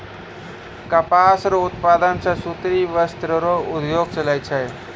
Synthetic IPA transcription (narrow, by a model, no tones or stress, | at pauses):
kəpasɾoʊt̪paːd̪ənsãsut̪ɾiʋəst̪ɾəɾoʊd̪joɡ̚t͡ʃəlajt͡ʃʰaj